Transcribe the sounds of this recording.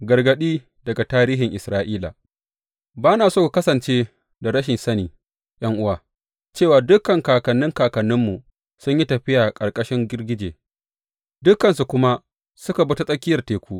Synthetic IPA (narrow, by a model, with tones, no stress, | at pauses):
ɡɐ˨rɡɐ˨ɗiː˦ | dɐ˨ɡa˨taː˦ɾiː˦ɦɪ˨ŋʔɪ˨sɾaː˦ʔiː˦la̰˨ | baː˦naː˨soː˦˨kɐ˦sɐ˨nt͡ʃeː˦ | da˨ɾɐ˦ʃɪ˨nsɐ˦niː˨ | jʔɐ˦ŋʔʊ˦waː˨ | t͡ʃeː˦˨waː˨dʊ˦kːɐ˨ŋkaː˨kɐ˨nːɪ˦ŋkaː˨kɐ˨nːʊ˦mːu˨ | sʊ˦ɲji˦tɐ˨ɸɪ˦jaː˨kʼɐ˨rkʼɐ˦ʃɪ˦ŋɡʲɪ˦rɡʲɪ˦d͡ʒḛː˨ | dʊ˦kːɐ˨nsu˨kʷʊ˦ma˦ | sʊ˦ka˨bʊ˦tu˦sʼɐ˦kʲɪ˦jɐ˨rteː˨kʷuː˦ʔ